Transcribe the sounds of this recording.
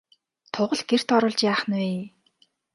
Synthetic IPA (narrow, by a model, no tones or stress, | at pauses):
t̪ʰʊʁə̆ɮɡ̥er̥t̪ɔɾʊ̆ːɮt͡ɕjaːχnweː